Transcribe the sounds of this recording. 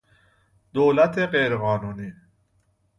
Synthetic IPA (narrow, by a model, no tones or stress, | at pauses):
d̪oːlæt̪ʰeɢejɾeɣɒːnuːniː